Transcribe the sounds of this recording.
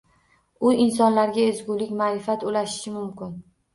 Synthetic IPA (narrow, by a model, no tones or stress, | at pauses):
ʊɪns̬ɒnlaɾɡʲaezɡʲʊlɪkʲmaːɾɪfat̪ʊlaʃɪ̥ʃɪmʊmkʲɪn